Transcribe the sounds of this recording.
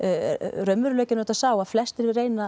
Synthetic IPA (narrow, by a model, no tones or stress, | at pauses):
rœmːʏɾlœːcɪnɔːt̪asaːwaðflɛst̪ɛɾɪreːjna